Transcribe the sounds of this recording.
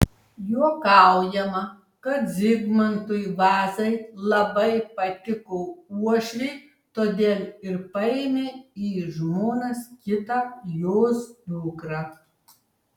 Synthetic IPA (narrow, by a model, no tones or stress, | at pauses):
juɔkɑˑʊjɛmɐ | kɐt̪zʲɪɡmɐnt̪ʊjʋɑːzɐɪlˠɐbɐɪpɐt̪ʲɪkoːuɔʃʲlʲɛɪ | t̪oːd̪ʲeːlʲɪɾpɐɛɪmʲeːiːʒmoːnɐskʲɪt̪ɑjoːsb̪ʊːkɾɐ